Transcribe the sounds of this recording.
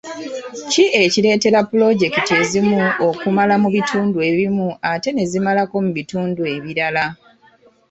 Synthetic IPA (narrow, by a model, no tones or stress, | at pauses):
ciʔe̞cile̞ːte̞ɾapːulo̞ɟe̞kite̞zimuo̞kumalamuβitʰuːndue̞βimuate̞ne̞zimalako̞muβituːndue̞βiɾala